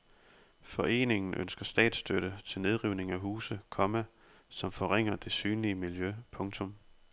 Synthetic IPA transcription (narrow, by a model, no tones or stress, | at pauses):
fɒ̽ʔe̝̰ːne̝ŋn̩ʔø̰nsɡ̥ɐsd̥ɛ̰ːd̥sd̥øɾ̥ət͡sʰe̝lne̝ð̞ˠʁiʊne̝ŋæɦuːsəkʰɒ̽mæ | sɒ̽mfɒ̽ʁeŋ̰ɐd̥e̝syːnliəmiljøpʰɔ̽ŋt͡sʰɔ̽m